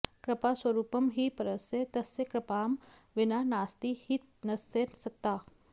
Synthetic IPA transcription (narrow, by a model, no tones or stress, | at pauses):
kɾəpasʋəɾuːpəmɦiːpəɾəset̪əsːekɾəpaːm | ʋinanast̪ihit̪nəsːensək̚t̪ːa